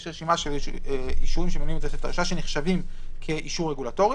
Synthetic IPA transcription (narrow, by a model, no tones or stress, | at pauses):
ʃʁeʃimaʃeliʃuʁimʃemenuimt̪eseft̪aiʃaʃeneχʃavimkʰe̞ʔiʃuʁːeɡulato̞ʁ